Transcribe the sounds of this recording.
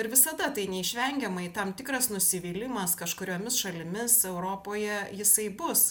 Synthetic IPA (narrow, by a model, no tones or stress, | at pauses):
ɪɾʋʲɪsɐd̪ɐt̪ɐɪnʲɛɪʃʲʋʲɛŋʲɡʲɛmɐɪt̪ɐmt̪ʲɪkɾɐsnʊsʲɪʋʲiːlʲɪmɐskɐʃkʊɾʲoːmʲɪsʃɐlʲɪmʲɪsɛʊɾoːpoːjɛjɪsɐɪbʊs